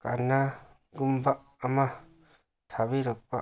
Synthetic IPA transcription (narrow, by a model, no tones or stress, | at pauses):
kana | ɡumbaʔ | amã | t̪ʰaβiɾɔk̚pa